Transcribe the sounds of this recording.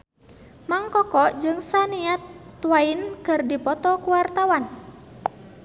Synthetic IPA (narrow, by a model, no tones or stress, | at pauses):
maŋkɔkɔʔd͡ʒɨŋsaniat̪ːwainkɨrdipɔt̪ɔkuwart̪awan